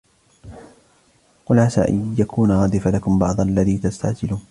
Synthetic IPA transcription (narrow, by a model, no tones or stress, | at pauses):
qʊlasa̰ːʔa̰jakʰuːnʕɑːd̪ˤɨfalakʊmbɑʕd̪ˤʔalːaðiːt̪ast̪a̰ʕd͡ʒɪluːn